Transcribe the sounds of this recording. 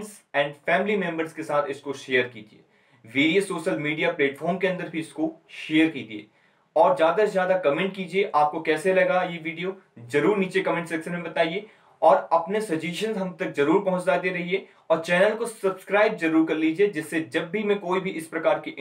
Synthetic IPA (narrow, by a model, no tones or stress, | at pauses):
ns | ɛ̃ːɳɖfɛːmlimɛ̃mbəɾzkesaːt̪ʰɪskoʃeːəɾkḭːd͡ʒiḛː | ʋiːɾiesoːʃəlmiːɖijapleːʈfʰɔːɾmkeɐ̃nd̪əɾbʱiɪskoʃeːəɾkiːd͡ʒ̪iḛː | ɔːɾzjaːd̪azjaːd̪akɐmẽɳʈ̚kiːd͡ʒieʔaːp̚kokɛːselɐɡajeʋiːɖijozɐɾuːɾniːt͡ʃekɐmẽːɳʈsɐksəmẽbɐt̪aːie | ɔːɾɐpnesɐd͡ʒeːʃə̃nzɦɐmt̪ɐkzɐɾuːɾpɐɦʊ̃ɲt͡ʃdaːd̪eɾɐɦie | ɔːɾt͡ʃɛːnəlkosɐbskɾaːɪbzɐɾuːɾkɐɾliːd͡ʒied͡ʒɪsːed͡ʒɐbːʱimẽkoːibʱiʔɪspɾɐkaːɾkiʔ